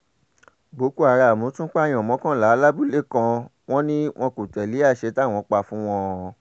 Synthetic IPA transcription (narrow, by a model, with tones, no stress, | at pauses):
bo˨˦ku˦a˨ɾa˧˨mõ˨˦tũ˦k͡pa˦˨j̃ɔ̃˨mɔ̃˨˦kã˦˨la˨˦la˦bu˦˨le˦˨kã˧ | w̃ɔ̃˦nĩ˦w̃ɔ̃˧ku˨tɛ˨li˨˦a˦˨ʃe˨˧˦ta˦˨w̃ɔ̃˨˧˦k͡pa˧fũ˦w̃ɔ̃˧ɔ˨